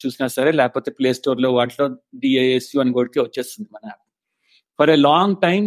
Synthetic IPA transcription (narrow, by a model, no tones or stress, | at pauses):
t͡ʃuːsinaːsɐɾeːlɛːkɐpo̞ːt̪eːpleːsʈoːɾlo̞ːʋaːʈloːɖiːeesjuːɐnkoːɽik̪eʋɐt͡ʃːeːst̪und̪imɐnɐ̃aɐ | fʰɐɾelaːŋɡʈɐjm